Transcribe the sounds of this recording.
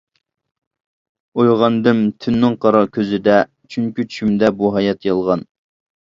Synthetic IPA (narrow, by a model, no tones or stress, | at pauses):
ojʁɑnd̪ɨmt̪ʰynːɪŋqʰɑɾɑkʲʰøzɪd̪ɛ | t͡ʃʰyŋkʲyt͡ʃʰy̥ʃymd̪ɛbuɦɑjɛt̪jɑlˠʁɑn